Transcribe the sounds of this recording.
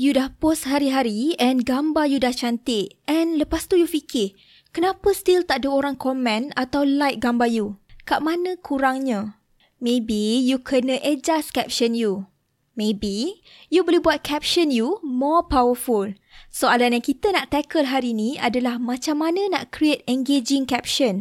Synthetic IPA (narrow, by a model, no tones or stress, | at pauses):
judahpɔsɦaɾiɦaɾiɛnɡambajudaht͡ʃant̪ɪʔɛnləpast̪ujufikʰɪh | kənãpəst̪ilt̪aʔdəoɾaŋkɔmɛ̃nat̪awlajt̪̚ɡambajukaʔmãnə̃kʰuɾaŋɲã | mẽbijukʰənə̃ʔəd͡ʒaskɛp̚ʃənju | mẽbi | jubolibuat̪̚kʰɛp̚ʃənjumɔpawəful | soalanjaŋkit̪ənaʔt̪ɛkəlɦaɾiinĩa̰dalahmãt͡ʃamːanə̃na̰ʔkɾiet̪̚ɛ̃ŋɡed͡ʒɪŋkɛp̚ʃə̃n